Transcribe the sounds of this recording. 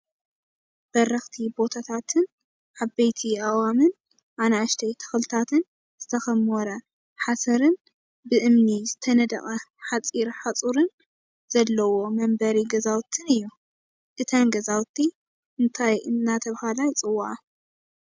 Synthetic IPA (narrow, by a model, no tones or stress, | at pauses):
b̥ɐrɐxt̪ʰibo̞t̪ʰat̪ʰat̪ʰɨn | ʕaβbejt̪ʰiʔawamɨn | ʔanaʃt̪ʰɐjt̪ʰɐ̥xlɨt̪ʰat̪ʰɨn | z̥ɨt̪ʰɐxɐmɔɾɐ | ħasɐɾɨn | bɨʔɨmnizɨt̪ʰɐnɐd̪ɐ̰kʼɐħat͡sʼiɾħat͡sʼuɾɨn | z̥ɐlːɐwo̞mɐmbɐɾiɡɐzawt̪ʰːɨnɨjːu | ʔɨt̪ʰɐnɡɐzawt̪ʰːi | ʔɨnt̪ʰajʔɨ̰nːat̪ʰɐβhalajt͡sʼɨwːaʕa